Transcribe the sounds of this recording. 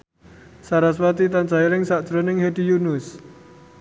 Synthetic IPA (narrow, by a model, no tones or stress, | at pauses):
saɾaswat̪it̪and͡ʒajilɪŋsad̥ʒ̥ɾonɪŋhedijunʊs